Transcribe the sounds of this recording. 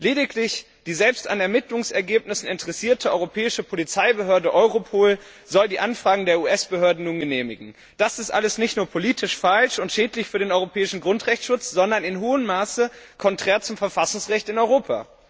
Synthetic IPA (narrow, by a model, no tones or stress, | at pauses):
leːdɪklɪç | d̥iːzɛlpsta̰nɛɐmɪtlʊŋsɛɐɡeːp̚nɪsn̩ɪntʰəʁɛsiːɐtʰəɔʏʁopʰɛːɪʃəpʰolit͡saɪbəɦøːɐdəʔɔʏʁopʰoːl | zɔldiːʔanfʁ̥aːɡŋ̩deːɐuːʔɛsb̥əhøːɐdn̩nuːnɡəneːmɪɡŋ̩ | d̥asɪstʔa̰ləsnɪçtnuːɐpʰoliːtʰɪʃfalʃʊntʃɛːtlɪçfyːɐdeːnʔɔʏʁopʰɛːɪʃn̩ɡʁʊntʁ̥ɛçtʃʊt͡sz̥ɔndɐnɪnɦoːəmːaːsəkʰɔntʁ̥ɛːɐt͡sʊmfɛɐfasʊŋsʁɛçtɪnɔʏʁoːpʰa̰